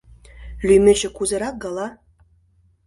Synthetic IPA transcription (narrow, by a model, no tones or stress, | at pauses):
lʲyjmʲɘ̆t͡ɕɘ̆kuzɤ̆ɾɑk̚ɡɑlˠɑ